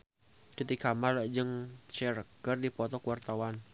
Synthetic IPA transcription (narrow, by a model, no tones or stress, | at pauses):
d̥ət̪ikamard͡ʒɨŋt͡ʃɛɾəɡ̥ərdipɔt̪ɔkəwart̪awan